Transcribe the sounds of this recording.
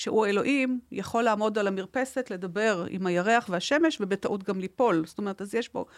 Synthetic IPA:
ʃeʔuaelo̞ʔimjaχo̞lːaːmo̞dalamiʁpe̞se̞tle̞d̪abe̞ʁḭmhajaʁe̞aχvehaʃe̞me̞ʃvebetaʔut̪ɡamlipo̞lsto̞me̞ʁetazjeʃbo̞̰

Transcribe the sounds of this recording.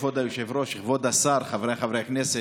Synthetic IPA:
vod̪ajuʃevɾoʃiχvod̪asaɾχavɾejaχavɾejhaknese

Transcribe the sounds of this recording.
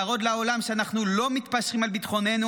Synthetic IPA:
ʁo̞d̪lao̞lamʃeanaχnulo̞mit̪paʃʁimalbit̪χo̞ne̞nu

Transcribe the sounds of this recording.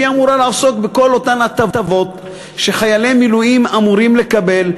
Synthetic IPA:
iamuɾalaːso̞kbeko̞lo̞tanat̪atavo̞t̪ | ʃe̞χajalemːilujimamuɾimle̞kabe̞l

